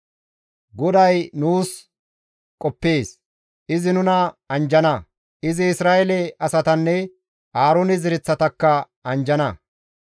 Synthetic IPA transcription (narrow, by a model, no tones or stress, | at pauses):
ɡɔd̪ɐjnuːs | kʼɔpːe̞ːs | ʔɪzɪnʊnɐɐnd͡ʒɐnɐ | ʔɪzɪɪsɾaːʔɛlɛɐsɐt̪ɐnːɛ | aːɾonɪzɪɾɪt͡sːɐt̪ɐkːɐ | ɐnd͡ʒɐnɐ